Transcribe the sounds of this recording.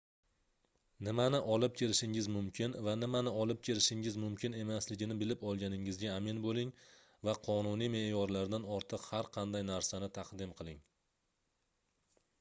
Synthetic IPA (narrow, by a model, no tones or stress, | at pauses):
nɪmanɪʔɒlˠɪp̚kʲʰeɾɪʃɪŋɪzmʊmkʲʰɪnvanɪmanɪɒlˠɪp̚kʲʰeɾɪʃɪŋɪzmʊmkʲʰɪne̞maslɪɡʲɪnɪbɪlɪpɒlˠɡʲanɪŋɪzɡʲaːmɪnbolɪŋ | vaqʰɒnunijme̞jɒɾlaɾd̪anɒɾt̪ʰɨqhaɾqʰɑnd̪ajnaɾsanɪt̪ʰɑqd̪ɪmqʰɨlˠɪŋ